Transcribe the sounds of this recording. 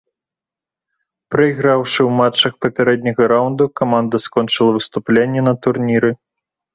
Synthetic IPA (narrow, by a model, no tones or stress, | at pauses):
pɾɐiɣɾawʂɨwmat͡ʂːɐxpɐpʲaɾɛd̪̚ʲnʲɐɣɐɾawnd̪ukamand̪ɐskɔnt͡ʂɨlˠɐvɨst̪uplʲenʲːɛnɐt̪urnʲiɾɨ